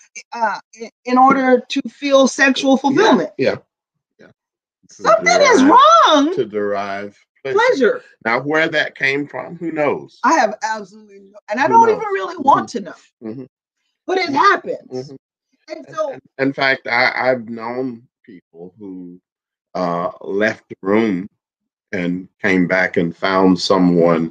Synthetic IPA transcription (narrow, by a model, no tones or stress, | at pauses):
ʌ | ɪɪ̃nɔɹɾə˞ɾɨfilˠsɛkʃul̩ˠfl̩ˠfɪlˠmɨ̃nt̚jæ̰ | jæ̰ | sʌ̃mθɪ̃ŋɪzɹɔ̃ŋtʰɨdə˞aɪv̥pʰl̥ɛl̥ɛʒə˞ | naʊwə˞ðɨt̚kʰẽɪ̃ɱfɹʌ̰̃mhunoʊz̥aɪɨvæb̥səlutˡlinɨ̃naɪɾõʊ̃ntivɨ̃nɹɪlˠiwɑ̃ntʰɨnʌʊ̥ | b̥ʌɾɨt̚hæpɨ̃nz̩ | ɨ̃nsõɨ̃nfæk̚taɪʔa̰ɪvnõʊ̃n | pʰipl̩ˠhu | ʌlɛft̪̚ðəɹʉ̃m | ɨ̃nkʰẽɪ̃mbækɨ̃nfãʊ̃nd̥sʌ̃mwʌ̃n